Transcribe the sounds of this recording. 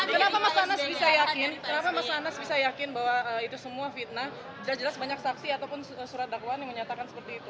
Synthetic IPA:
kənapamasaanasbisajakɪnkənapamasaːnasbisajakɪnbaɦwaəit̪usəmuafit̪̚nah | d͡ʒəlasd͡ʒəlasbaɲaksaksiat̪awpʊnəsuɾat̪̚dakuanjaŋməɲat̪akansə̥pərt̪iːt̪u

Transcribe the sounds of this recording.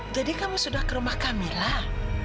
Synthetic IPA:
d͡ʒadikamusudahkəɾumahkamilah

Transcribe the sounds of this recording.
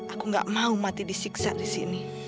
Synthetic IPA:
ʔakuŋɡa̰ʔmaumat̪idisiksa̰ʔdisini

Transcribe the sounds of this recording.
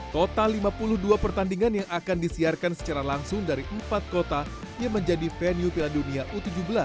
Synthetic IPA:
kot̪alimapulʊhduapərt̪andiŋanjaŋakandisiarkansə̥t͡ʃaɾalaŋsʊŋdaɾiʔəmpat̪̚kot̪a | jaŋməɲd͡ʒadifeniufiladuniaʔut̪ud͡ʒubəla

